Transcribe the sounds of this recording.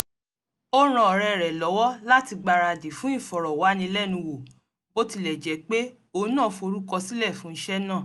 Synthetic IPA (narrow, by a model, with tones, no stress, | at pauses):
o˦ɾ̃ã˧ɔ˨ɾɛ˧˨ɾɛ˨lɔ˨˦wɔ˦la˦ti˧ɡ͡ba˧ɾa˧˨di˨fũ˦ĩ˦˨fɔ˨ɾɔ˨wa˨˦nĩ˧˦lɛ˦˨nũ˧wo˨ | bo˦ti˧lɛ˨d͡ʒɛ˨˦k͡pe˦ | o˧˦nã˦˨fo˧ɾu˦kɔ˧si˦lɛ˦˨fũ˨˦n̩˦ʃɛ˦nã˦˨